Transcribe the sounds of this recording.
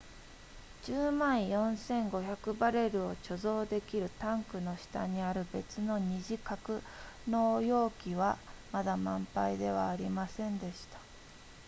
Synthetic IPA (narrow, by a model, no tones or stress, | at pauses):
d͡ʑɨːmãɰ̃jõ̞ɰ̃sẽ̞ŋɡo̞çakɯ̟baɾe̞ɾɯ̟o̞t͡ɕo̞zo̞ːd̪e̞kʲiɾɯ̟t̪ãŋkɯ̟no̞ɕi̥t̪a̰ɲ̟iaɾɯ̟be̞t͡sɨno̞ɲ̟iʑikakɯ̟ | no̞ːjo̞ːkʲiβamad̪amãmpaid̪e̞β̞aːɾʲimasẽ̞nd̪e̞ɕi̥t̪ḁ